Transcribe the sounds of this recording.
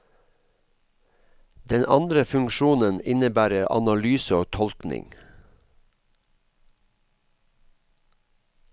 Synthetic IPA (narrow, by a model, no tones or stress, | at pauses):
d̪ɛnʔɑ̰nd̪ɾəfʉŋʃuːnənɪnəbæːɾəɾʔɑ̰nɑlyːsəoːt̪ʰɔlknɪ̰ŋ